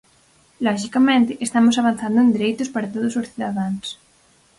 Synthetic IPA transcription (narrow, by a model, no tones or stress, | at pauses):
lɔʃikamẽnt̪ɪʔest̪amosaβ̞an̟θand̪ʊẽnd̪eɾejt̪ʊspaɾat̪oð̞ʊsosθiðaðaŋs